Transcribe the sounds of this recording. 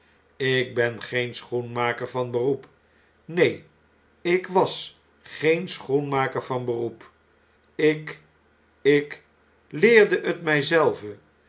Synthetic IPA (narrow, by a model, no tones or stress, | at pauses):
ɪɡ̚bɛnχejnsχunmaːkəɹvɑnbərup | nej | ɪkʋɑs | χejnsχunmaːkəɹvɑnbərup | ɪk | ɪk | lɪːɹdəʔətmɛjzɛlˠvə